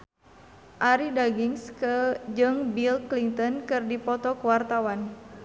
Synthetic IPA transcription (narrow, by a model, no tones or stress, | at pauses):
ʔaɾidaɡiŋskəd͡ʒɨŋbilkliŋt̪ɔnkɨrdipɔt̪ɔkəwart̪awan